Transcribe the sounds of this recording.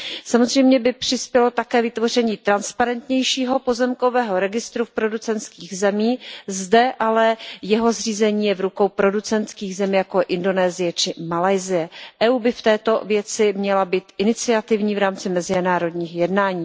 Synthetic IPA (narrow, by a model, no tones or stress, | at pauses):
samo̞zr̝ɛjmɲɛbɪpr̝̥ɪspjɛlo̞t̪akɛːvɪt̪vo̞r̝ɛɲiːt̪ɾanspaɾɛnt̪ɲɛjʃiːɦo̞po̞zɛmko̞vɛːɦo̞ɾɛɡɪst̪ɾufpɾo̞dut͡sɛnt̪skiːɣzɛmiːzdɛʔalɛjɛɦo̞zr̝iːzɛɲiːjɛvɾuko̞wpɾo̞dut͡sɛnt̪skiːɣzɛmijakojʔɪndo̞nɛːzɪjɛt͡ʃɪmalajzɪjɛʔɛːuːbɪft̪ɛːt̪o̞vjɛt͡sɪmɲɛlabiːt̪ʔɪnɪt͡sɪat̪ɪvɲiːvɾaːmt͡sɪmɛzɪnaːɾo̞dɲiːxjɛdnaːɲiː